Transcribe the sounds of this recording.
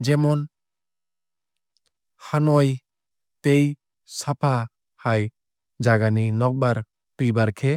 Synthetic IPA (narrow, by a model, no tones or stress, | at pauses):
d͡ʒɛmɔn | hanɔj | t̪ej | sapʰa | haj | d͡ʒaɡaninɔk̚baɾ | pibaɾkʰɛ